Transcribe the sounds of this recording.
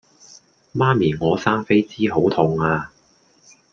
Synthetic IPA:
maː˥miː˨˩ŋɔː˨˧saː˥ŋfe˥jt͡siː˥ɦo˨˥wt̪ʰʊ˨ŋaː˧

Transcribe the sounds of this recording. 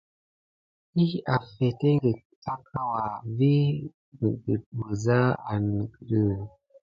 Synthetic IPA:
i˦a˨fɛ˨te˦ŋ˦ɡe˨ | ta˦kʰa˦wa˨vi˦˨ | ɡi˨bə˨za˦a̰˨n˨ɡɾə˦˨

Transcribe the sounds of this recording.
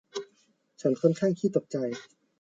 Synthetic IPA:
t͡ɕʰa˦˥nkʰɔ˥˨nkʰaː˥˩ŋt̪ʰiː˥˩t̪o˨˩k̚t͡ɕa˧j

